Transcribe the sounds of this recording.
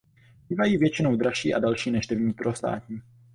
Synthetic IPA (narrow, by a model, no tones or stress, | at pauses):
b̥iːvajiːvjɛt͡ʃɪnowdɾaʃḭːʔadalʃiːnɛʃdɛvɲiːp̪ɾost̪a̰ːcɲi